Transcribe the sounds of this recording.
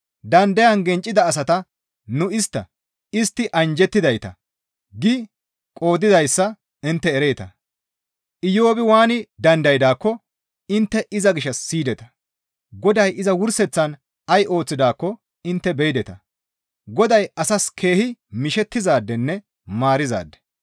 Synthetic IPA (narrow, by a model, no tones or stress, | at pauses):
d̪ɐnd̪ɐjɐnɡɛnt͡ʃʼːɪd̪ɐːs̬ɐt̪ɐ | nʊɪst̪ːɐ | ɪst̪ːɪʔɐnd͡ʒɛt̪ːɪd̪ɐjt̪ɐ | ɡɪ | kʼo̞ːd̪ɪd̪ɐjsːɐ | ɪnt̪ːɛːɾeːt̪ɐ | ʔɪjo̞ːbɪwaːnɪd̪ɐnd̪ɐjd̪aːkːɔ | ɪnt̪ːɛʔɪzɐɡɪʃːɐsːiːd̪ɛt̪ɐ̥ | ɡɔd̪ɐjʔɪzɐwʊɾsɛt͡sːɐn | ɐjʔo̞ːt͡sːɪd̪aːkːɔ | ɪnt̪ːɛbɛjd̪ɛt̪ɐ̰ | ɡɔd̪ɐjɐsɐskʰe̞ːhɪmɪʃɛt̪ːɪzaːd̪ːɛnːɛ | maːɾɪza̰ːd̪ːɛ̥